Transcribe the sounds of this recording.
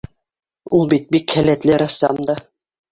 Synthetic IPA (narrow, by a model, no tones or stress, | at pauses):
ulˠbit̪̚bikhælæt̪lɘɾɑsːɑ̰md̪ɑ